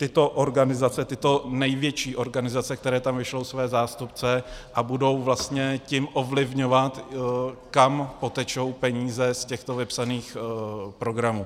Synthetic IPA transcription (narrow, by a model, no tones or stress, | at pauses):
t̪ɪt̪o̞ʔoɾɡanɪzat͡sɛt̪ɪt̪o̞nɛjvjɛt͡ʃiːʔo̞ɾɡanɪzat͡sɛk̚t̪ɛɾɛːt̪amvɪʃlo̞wsvɛːzaːst̪up̚t͡sɛʔabudo̞wvlast̪ɲɛcɪmʔo̞vlɪvɲo̞vat̪ | kampo̞t̪ɛt͡ʃo̞wpɛɲiːzɛscɛxt̪o̞vɪpsaniːxpɾo̞ɡɾamuː